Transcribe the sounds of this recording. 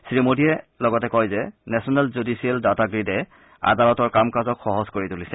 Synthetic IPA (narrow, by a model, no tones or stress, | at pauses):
sɹimodiɛlɔɡɔtɛkɔjzɛnɛsɔnɛlzudisiɛldataɡɹidɛ | a̰dalɔtɔɹkamkazɔkxɔɦɔzkoɹitulisɛ